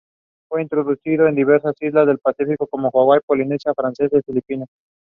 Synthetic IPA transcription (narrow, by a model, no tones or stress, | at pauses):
fwe̞int̪ɾo̞ðusiðoend̪iβe̞ɾsasizlazðe̞lpasifikoko̞moxwaɣwajpo̞linesjafɾanse̞zðefilipino